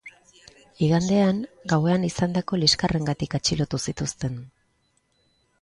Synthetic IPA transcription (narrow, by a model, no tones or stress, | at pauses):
iɣand̪e̞aŋɡawe̞anisand̪ako̞liskare̞ŋɡat̪ikat͡ʃilo̞t̪usit̪ust̪e̞n